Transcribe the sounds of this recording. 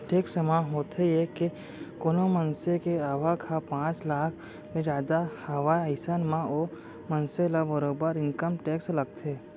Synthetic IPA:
ʈʰeːksəmaɦoːt̪ɦejeke | konomənsekeaːʋakʰapãːt͡ʃlaːkʰ | mẽd͡ʒaːd̪ahəʋaːjəɪsənmão | mənselabəɾoːbəɾɪ̃ŋkəmʈeːkslɐɡ̚t̪ʰeː

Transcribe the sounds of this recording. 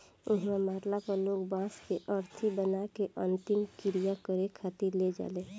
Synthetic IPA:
ʊɦmaːɾlapəɾloːɡbãːskeʔəɾt̪ʰibənakeʔə̃nt̪ɪmkɪɾijakəɾekʰat̪iɾled͡ʒa̰ːleː

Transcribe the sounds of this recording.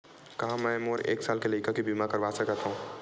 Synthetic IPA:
kɐɦãmɛ̃moːɾḛːksaːlkelɐɪkakibimakɐɾʋasəkət̪ɦũː

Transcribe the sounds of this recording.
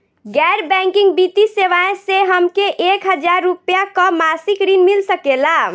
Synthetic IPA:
ɡɛɾbɛ̃ŋkiŋɡbit̪iseʋaẽseɦəmkeʔekɦəd͡ʒaɾːupjakəmasikɾinmilsəkela

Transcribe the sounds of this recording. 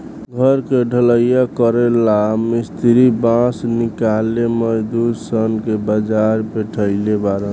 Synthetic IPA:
ɡʱəɾkeɖʱələjjakəɾelamest̪ʰiɾibãsnikaleməd͡ʒd̪udsənkebəd͡ʒaɾbeʈʰəɪlebaɾə

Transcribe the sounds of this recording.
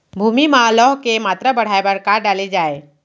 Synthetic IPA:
bʱuːmimãlɔːɦkemaːt̪ɾabəɽ̤aːebəɽkaːɾɖaːled͡ʒaːe

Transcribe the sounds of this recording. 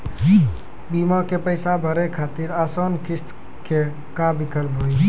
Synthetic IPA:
bimakepəɪsabʱəɾekʰat̪iɾasɔnkʰist̪ | ke | kabikəlpɦoj

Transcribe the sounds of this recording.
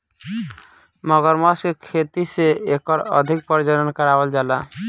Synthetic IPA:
mɔɡɔɾmɔsekʰet̪iseekɔɾɔ̰d̪ʱik̚pɔɾd͡ʒɔɾɔnkɔɾawɔld͡ʒala

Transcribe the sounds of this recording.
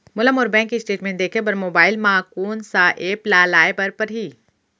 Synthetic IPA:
mʊləmɔːɾbɛ̃ːŋkːiɪsʈeːʈmẽːɳʈd̪eːkʰep̬ɐɾmoːbaːɪlmaːkuːnsaːʔeːplaːlaːebɐɾpɐɾɦiː

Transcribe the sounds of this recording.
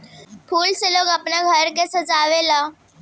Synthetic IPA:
pʰuːlseloːɡəpnaɡʱəɾkesəzaːʋelaː

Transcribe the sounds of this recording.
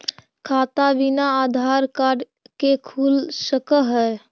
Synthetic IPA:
kʰaːt̪aʋinaaːd̪ʱaːɾkaːɖ | kekʰuːlsəkəɦɛː

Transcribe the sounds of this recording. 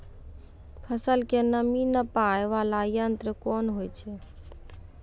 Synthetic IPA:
pʰəsəlkenəminəpaeʋalajənt̪ɾəkoːnɦojt͡ʃʰe

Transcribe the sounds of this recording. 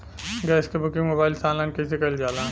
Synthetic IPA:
ɡɛːskebʊkɪ̃ŋɡmoːbaːɪlsãːnlãːnkɐs̬ekɐld͡ʒaːlãː

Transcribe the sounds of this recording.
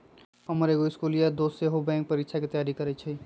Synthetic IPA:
ɦəməɾeɡoɪskulijad̪oseɦobɛ̃ŋk̚pəɾikt͡ʃʰaket̪əjaɾikəɾɛt͡ʃʰɛ

